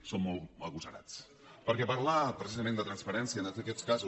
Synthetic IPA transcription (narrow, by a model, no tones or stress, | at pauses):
somomaɣusaɾa̰t͡s | paɾkepaɾlapɾesis̬amend̪at̪ɾanspaɾensiaend̪at̪eket͡skas